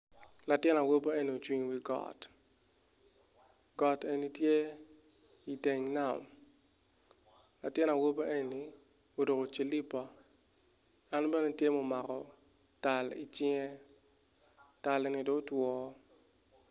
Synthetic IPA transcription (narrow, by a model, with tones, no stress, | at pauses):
la˨tɪ˦na˨wo˦bo˦e˦ni˨o˨t͡ʃwi˨ŋwi˨ɡɔ̰˦˨t | ɡɔ˨te˨ni˦tje˦ | i˨de˨ŋna˨m | la˨tɪ˦na˨wo˦ba˦ʔe˦ni˨ | o˨do˨ko˨t͡ʃe˨li˦pɔ˦ | a˦nbɛ˦ne˦tje˦mɔ˨ma˨kɔ˨ | ta˨lḭ˨t͡ʃɪ˦ŋɛ˦ | ta˨le˨ni˦do˦twɔː˦